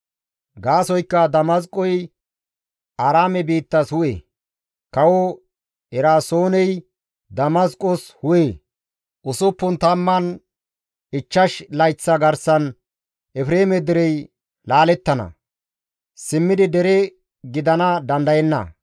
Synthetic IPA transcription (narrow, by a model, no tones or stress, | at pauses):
ɡaːsɔjkːɐd̪ɐmɐs̬kʼɔj | aɾaːmɛbiːt̪ːɐshʊʔḛ | kɐwɔ | ɛɾaːsoːnɛj | d̪ɐmɐskʼːɔshʊje | ʔʊsʊpːʊnt̪ɐmːɐn | ɪt͡ʃːɐʃlɐjt͡sːɐɡɐɾsɐn | ʔɛfɾeːmɛd̪ɪɾɛj | laːlɛt̪ːɐnɐ̰ | sɪmːɪd̪ɪd̪ɛɾɛ | ɡɪd̪ɐnɐd̪ɐnd̪ɐjɛnːɐ̰